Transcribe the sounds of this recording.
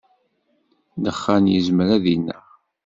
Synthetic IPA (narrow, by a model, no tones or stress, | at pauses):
d̪əχːænjəzmɾæðinːə̰